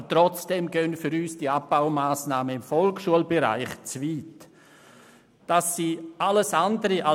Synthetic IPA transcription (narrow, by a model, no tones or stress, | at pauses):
tɾɔt͡sd̥ɛmɡøːnfʏɾyːsd̥iab̚b̥aʊmaːsnaːməɪmfɔlkʃuəlbɛɾa̰ɪχt͡sviːt | d̥asːiːʔaləsandəɾəʔa